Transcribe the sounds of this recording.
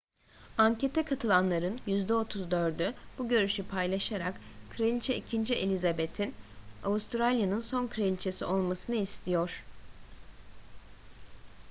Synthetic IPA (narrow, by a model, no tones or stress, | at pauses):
aɲcʰe̞t̪ʰɛkʰat̪ʰɯlˠanlˠaɾɯnjyzd̪ɛo̞t̪ʰuzd̪ø̞ɾd̪yb̥uɟø̞ɾyʃypʰajlˠaʃaɾakkʰɾeit͡ʃʰɛʔicʰind͡ʒiʔelʲizabet̪ʰina̰ust̪ʰɾalʲjanɯnso̞nkʰɾeilʲt͡ʃʰesio̞lˠmasɯnɯist̪ʰijoɾ̥